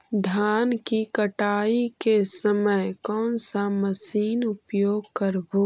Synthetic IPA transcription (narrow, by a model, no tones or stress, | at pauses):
d̪ʱaːnkikəʈaːikesəməjkɔːnsaməsiːnʊpjoːɡkəɾbo